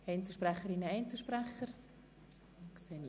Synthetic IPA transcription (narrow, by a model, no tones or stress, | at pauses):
ɛɪnt͡səʃpɾɛχəɾɪnəɛɪnt͡səlʃpɾɛχəɾ | kseːn